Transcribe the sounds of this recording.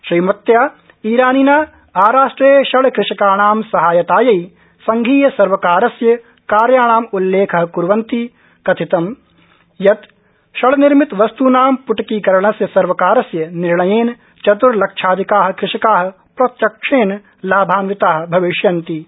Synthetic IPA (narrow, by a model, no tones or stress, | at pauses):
ʃɾiːmɐt̪jaː | iːɾaːninaː | aːɾaːʂʈɾeːʃɐɭkɾɪʃɐkaːɳ̃aːmsɐɦaːjɐt̪aːjɐi | sɐŋɡʱiːjɐsɐɾʋɐkaːɾɐsjɐ | kaːɾjaːɽ̃aːmulːeːkʰɐɦkuɾʋɐnt̪i | kɐt̪ʰit̪ɐm | jɐt̪ | ʃɐɭnɪɾmɪt̪ʋɐst̪uːnaːmpʊʈkiːkɐɾɐɳ̃ɐsjɐsɐɾʋɐkaːɾɐsjɐnɪɾɳɐjeːn | t͡ʃɐt̪uɾlɐkʃʰaːd̪ʱikaːɦ̆kɾɪʂɐkaːɦɐ̆ | pɾɐt̪jɐkʂʰeːn | laːbʱaːnʋɪt̪aːɦ̆bʱɐʋɪʃjɐnt̪i